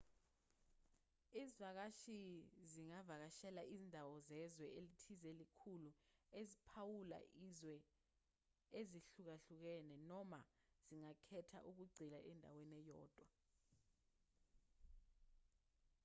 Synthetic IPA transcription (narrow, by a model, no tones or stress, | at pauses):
izivak̬aʃiziŋavak̬aʃɛlaʔizindʱawɔzɛzwɛʔelitʰizelikʰuluezipʰawula̰ʔizwɛ | eziɬuk̬aɬuk̬ɛnɛnɔma | z̥iŋakʰɛtʰa̰ʔuk̬uɡ͡ǀʱilaʔɛndʱa̰wenɛjɔ̰ːd̥ʱwa